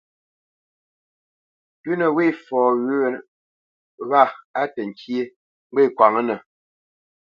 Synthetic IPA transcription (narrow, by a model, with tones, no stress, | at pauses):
tʉ˦nə˨we˦˨fɔː˨ɣʉ˦˨ | ɣa˦˨a˦tə˨ŋ̩˨kje˦ | ŋ͡m̩˦ɡ͡be˦˨kwa˨ŋə˦nə˨